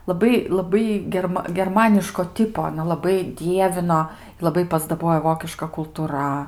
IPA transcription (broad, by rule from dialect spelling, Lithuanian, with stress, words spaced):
lˠɐˈbɐɪ lˠɐˈbɐɪ ɡʲɛrˈmɐ ɡʲɛrˈmɑːnʲɪʃkoː ˈtʲɪpoː ɐˈnɐ lˠɐˈbɐɪ ˈdʲiɛʋʲɪnoː lˠɐˈbɐɪ pɐzdɐˈboːjoː ˈʋoːkʲɪʃkɐ kʊlˠtʊˈrɐ